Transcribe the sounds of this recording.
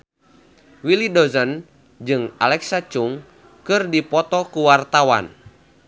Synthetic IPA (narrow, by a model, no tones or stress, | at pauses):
wilidɔzən | d͡ʒɨŋa̰lɛksat͡ʃuŋ | kɨrdipɔt̪ɔkuwart̪awa̰n